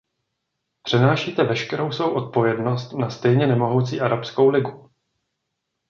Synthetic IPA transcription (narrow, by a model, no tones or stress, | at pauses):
pr̥ɛnaːʃiːt̪ɛvɛʃkɛɾo̞wsvo̞wʔo̞t̪̚po̞vjɛdno̞st̪nast̪ɛjɲɛnɛmo̞ɦowt͡sḭːʔaɾapsko̞wlɪɡu